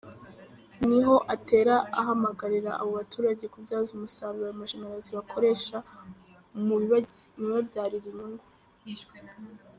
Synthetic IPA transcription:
niɦo̞ʔate̞ːɾaaɦamaɡaɾiɾaʔaβo̞βatuːɾaɟe̞kubɟaːzumusaβiamaʒenaɾaziβakʰo̞ɾe̞ʃa | muɟiniβabɟaːɾiɾiɲuŋɡo

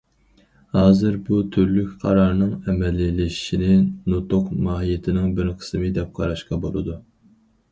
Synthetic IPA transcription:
hɑːzɨɾbut̪ʰyɾlykʲqʰɑɾɑɾnɨŋɛmɛlːɪlːɪi̥ʃinɪnot̪oqmɑːɦijɪt̪ʰɪnɪŋbɪɾqʰə̥smɨd̪ɛp̚qʰɑɾɑʃqɑbolˠɨ̰d̪u

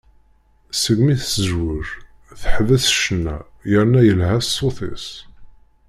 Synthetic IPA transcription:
səɡmiθəzwʊɾ | θəħðæθʃənːæ̰ | jəɾnæjəlhæssˤːoθɪ̰s

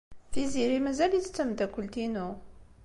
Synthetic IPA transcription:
θiziɾimæzælit͡sːə̥t͡sːəmd̪ækʷːəlt̪inu

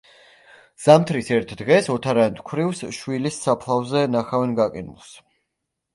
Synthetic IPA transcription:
z̥amt̪ʰɾisɛɾt̪ʰd̪ʁɛsɔt̪ʰaɾant̪ʰkʷʰwɾivsʃwilisːapʰlˠavzɛnaχavɛnɡakʼḭnulˠs

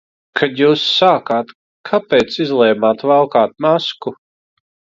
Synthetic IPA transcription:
kʰad̪juːsːaːkaːt̪ | kʰapɛjt̪sizlˠɛjmaːt̪valˠkaːt̪̚masku

